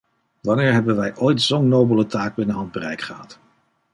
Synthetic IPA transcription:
ʋɑnɪːɹɦɛbənʋɛjʔojtsownːowbələtaːɡ̚bɪnəɦɑnd̚bərɛjkχəɦɑ̰t

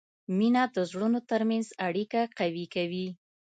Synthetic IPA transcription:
minad̪əzɽunot̪əɾmanzaɽikaqawikawi

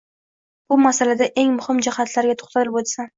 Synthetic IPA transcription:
bʊmasalad̪aʔe̞ŋmʊhɪmd͡ʒɪhat̪laɾɡʲat̪ʰo̥χt̪ʰat̪ɪlɪbot̪san

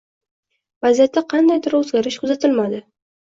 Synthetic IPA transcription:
vazijat̪ːaqʰɑnd̪ajd̪ɪɾɵzɡʲaɾɪʃkʰʊzat̪ʰɪlmad̪ɪ

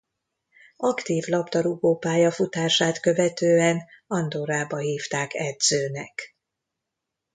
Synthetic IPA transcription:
ɒkt̪iːvlɒbd̪ɒɾuɡoːpaːjɒfut̪aːʃaːt̪kø̞vɛt̪øːɛnɒnd̪oɾaːbɒɦiːft̪aːkɛd̪z̥øːnɛk

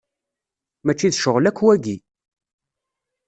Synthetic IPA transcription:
mæt͡ʃːiðʃəʁlækːwæɡi

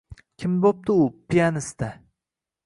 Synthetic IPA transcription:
kʲʰɪmbop̚t̪ɪʊpʰijanɪst̪a

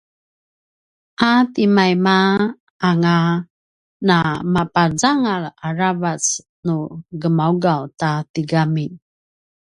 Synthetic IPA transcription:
ʔatimajma | aŋa | namapad͡zaŋalaɾavat͡s | nuɡəmauɡawtatiɡami

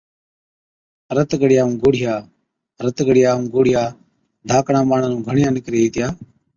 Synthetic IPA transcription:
ɾət̪ɡəɽɪjaːũːɡoːɽɪjaː | ɾət̪ɡəɽɪjaːũːɡoːɽ̤ɪjaː | dʱaːkɳãːɓaːɳaːnũːɡʱəɳɪjãːnɪkɾeːiːt̪ɪjaː

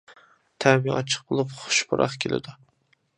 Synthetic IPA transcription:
t̪ʰæɾmiɒt͡ʃʰə̥qbolˠʊpχʊ̥ʃbʊɾʔɑ̰χkʲʰelʔɪ̰d̪ʊ

